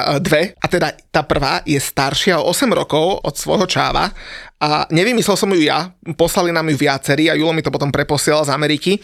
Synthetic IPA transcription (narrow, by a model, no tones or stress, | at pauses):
d̪ʋɛʔat̪ɛd̪at̪aːpr̩ʋaːjɛst̪aɾʃɪaɔ̰ɔsɛmɾɔkɔʊɔ̰t̪sʋɔ̰jɦɔt͡ʃa̰ːʋa̰aɲɛʋimislɛlsɔmjujapɔslalinaːmjuʋɪat͡sɛɾiːajulɔmit̪ɔpɔt̪ɔmpɾɛpɔsɪɛlalzamɛɾiːki